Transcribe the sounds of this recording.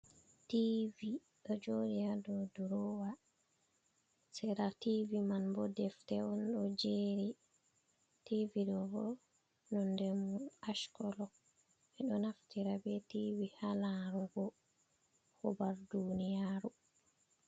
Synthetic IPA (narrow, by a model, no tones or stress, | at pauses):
tivi | ɗɔd͡ʒodijadɔduɾɔwa | sɛɾativimanbɔdɛftɛɔnɗɔd͡ʒeɾi | tiviɗɔɡɔ | nɔndɛmuaʃkɔlɔ | ɛɗɔnaftiɾabɛtivihalaɾuɡɔ | hɔbaɾdunijaɾu